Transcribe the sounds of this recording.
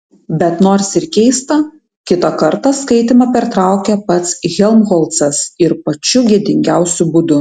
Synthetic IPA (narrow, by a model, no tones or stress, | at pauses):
bʲɛt̪noːɾsɪɾkʲɛɪst̪ɐ | kʲɪt̪ɐkɐɾt̪ɐskɐɪt̪ʲɪmɑpʲɛɾt̪ɾɑˑʊkʲɛpɐt̪sɣʲɛlˠmɣɔːlˠt̪sɐsɪɾpɐt͡ʃʲʊɡʲiɛd̪ʲɪŋʲɡʲæˑʊsʲʊbʊd̪ʊ